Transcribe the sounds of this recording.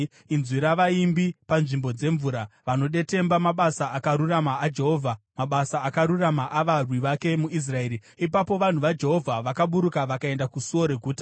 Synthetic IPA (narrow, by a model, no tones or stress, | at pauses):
inzwiɾaʋaimbipanʐimbo̞d͡ze̞ɱvuːɾaʋano̞ɗe̞te̞mbamaɓasaʔakaɾuramaːd͡ʒe̞ɦo̞ːvʱa | maɓasaːkaɾuramaʔaʋarwiʋake̞muis̬rae̞ːɾi | ipapo̞ʋan̤uʋad͡ʒe̞ɦo̞vʱaʋakaɓuɾukaʋakae̞ndakusuo̞ɾe̞ɡʱuːtḁ